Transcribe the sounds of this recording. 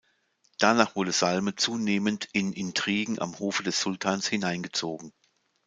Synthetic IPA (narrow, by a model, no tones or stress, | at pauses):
d̥anaːχv̥ʊɐdəz̥almət͡suːneːməntɪnʔɪntʁ̥iːɡŋ̩ʔa̰mhoːfədɛsz̥ʊltʰaːnshɪnaɪnɡət͡soːɡŋ̩